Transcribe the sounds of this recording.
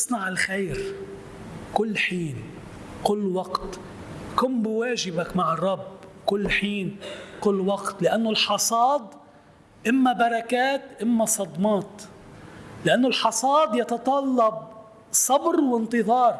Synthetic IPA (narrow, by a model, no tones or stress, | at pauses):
ʔsˤnɑʕɪlxeːɾ | kʊlːħiːn | kʊlːwɑqt̪ | kʊmbwaːʒɪbakmaʕɑrˤːɑbkʊlːħiːnkʊlːwɑqt̪lɪʔanːʊlħɑsˤɑːd̪̚ˤ | ʔɪmːabɑɾˤɑkaːt̪ʔɪmːasˤɑd̪mɑːt̪ | lɪʔanːʊlħɑsˤɑːd̪ˤjɑt̪ɑt̪ˤɑlːɑb̚ | sˤɑbɾwɪnt̪ɨðˤɑːɾˤ